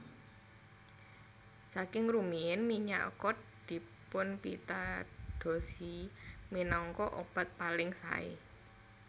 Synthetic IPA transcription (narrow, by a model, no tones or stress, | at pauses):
sakɪŋrumiɪnmiɲa̰ʔkɔt̪̚d̪̥i̤pʊnpit̪ad̪̥o̤siminɔŋkɔʔob̥a̤t̪̚palɪŋsa̰ḛ